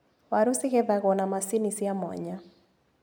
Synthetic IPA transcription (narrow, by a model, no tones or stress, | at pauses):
waɾusɪɣɛðaɣɔnamasinisiamɔ̰ɲa